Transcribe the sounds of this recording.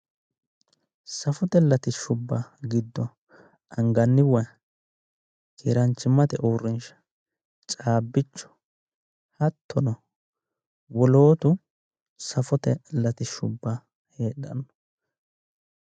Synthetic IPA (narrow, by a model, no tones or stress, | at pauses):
sɐfɔt̪ɛlɐt̪ɪʃʊbːɐɡɪd̪ːɔ | ɐŋɡɐnːɪwɔj | kʰieːɾɐnt͡ʃːɪmːɐt̪ɛʔoːɾɪnʃɐ̥ | t͡ʃʼaːbːɪt͡ʃːɔ̥ | hɐt̪ʰːɔnɔ | wɔlo̞ːt̪ʊ | sɐfɔt̪ɛlɐt̪ɪʃʊ̰bːa | he̞ːɗɐ̰nːɔ